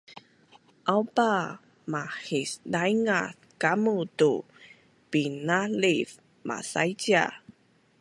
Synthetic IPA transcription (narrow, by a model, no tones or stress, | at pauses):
ʔawpa | mahisdajŋaθ | kamutu | pinalif | mʔa̰sa̰jd͡ʒa̰